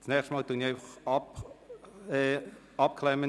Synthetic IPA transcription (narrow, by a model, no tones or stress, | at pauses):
t͡snɛːχʃtmɑːltuniɛɪfɑχɑp | ɛ | ɑp̚kʰlɛmə